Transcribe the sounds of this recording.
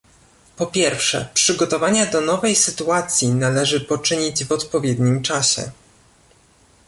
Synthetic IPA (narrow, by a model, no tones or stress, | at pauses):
pɔpʲjɛɾfʂɛ̰pʂɘɡɔt̪ɔvaɲad̪ɔnɔvɛjsɘt̪uat̪sʲjinalɛʐɘpɔt͡ʂɘɲid͡ʑvɔt̪pɔvʲjɛd̪ɲimt͡ʂaɕɛ̰